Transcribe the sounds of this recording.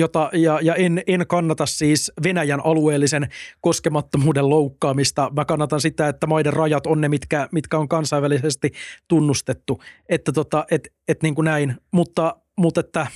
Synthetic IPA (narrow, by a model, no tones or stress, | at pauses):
jot̪ɑjɑjɑenenkɑnːɑt̪ɑssiːsʋenæjænʔɑlueːlːisenkoskemɑt̪ːomuːdelloukːɑːmist̪ɑmækɑnːɑt̪ɑnsit̪æet̪ːæmɑiderrɑjɑt̪onnemit̪kæmit̪kæoŋkɑnsɑiʋælisest̪it̪unːust̪et̪ːuet̪ːæt̪ot̪ɑʔet̪ | et̪niːŋkunæinmut̪ːɑ | mut̪et̪ːæ